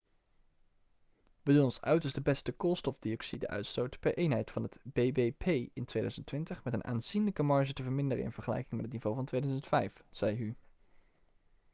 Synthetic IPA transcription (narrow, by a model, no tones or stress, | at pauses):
ʋədunɔnsœ̰ɥtəsdəbɛstəkolˠstɔfdiɔksidə̰ʔœ̰ɥtstowtpɛɹʔejnɦɛjtfɑnɦətbejbepʰejɪntʋejdœ̰ɥzəntʋɪntəχmɛtənʔa̰ːnz̥inləkəmɑɹʒətəvəɹmɪndərə̰ɪ̰nv̥əɹχəlɛ̰jkɪŋmɛtətnivowvɑntʋejdœɥzəntfɛjfz̥ɛjɦy